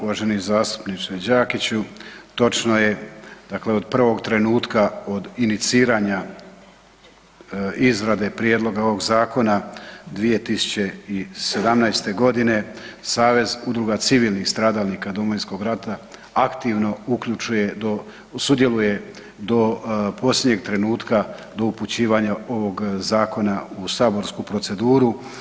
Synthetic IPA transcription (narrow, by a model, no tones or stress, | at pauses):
uʋaʒenizaːst̪u̥pnit͡ʃed͡ʑaːkit͡ɕut̪o̞t͡ʃno̞je̞d̪̥akle̞o̞d̪pr̩ʋo̞ɡt̪ɾe̞nuːt̪kao̞d̪init̪siːɾaːɲa | izɾad̪e̞pɾje̞d̪lˠo̞ɡao̞ʋo̞ɡzaːko̞nad̪ʋije̞t̪isu̥t͡ɕe̞ise̞d̪amnajst̪e̞ɡo̞d̪ine̞saːʋe̞zud̪ɾuɡat̪siʋiːlˠnixst̪ɾaːd̪alnikad̪o̞moinsko̞ɡɾat̪a | akt̪iʋno̞ukʎut͡ʃuje̞d̪o | sud̪je̞luje̞ | d̪o̞po̞slʲje̞d̪ɲeɡ̚t̪ɾe̞nuːt̪kad̪o̞uput͡ɕiːʋaɲao̞ʋo̞ɡzaːko̞nausaːbo̞ɾskupɾo̞t̪se̞d̪uːɾu